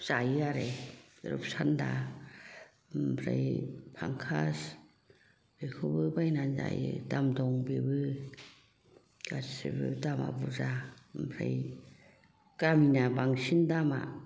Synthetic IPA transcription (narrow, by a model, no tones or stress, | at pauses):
sajɯaɾajɾṵp̚sanda | pʰɾa̰jpʰaŋkʰas | b̥ekʰobɯbajnanza̰jɯ̰damdɔŋbebɯ | kasḛbɯdama̰buzapʰɾa̰j | kaminabaŋsindama̰